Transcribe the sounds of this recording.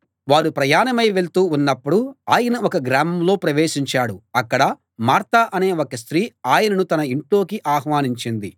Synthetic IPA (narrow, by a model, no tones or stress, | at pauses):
ʋaːɾupɾɐjaːnɐmɐjʋe̞ɭt̪uːunːɐpːuɽuaːjɐnɐɔkɐɡɾaːmɐmlo̞ːpɾɐʋeːʂiɲt͡ʃaːɽuɐkːɐɽɐ | maːɾt̪ɐʔɐne̞ːokɐst̪ɾiːaːjɐnɐnut̪ɐnɐiɳʈlo̞ːkiʔaːɦʋaːniɲt͡ʃind̪i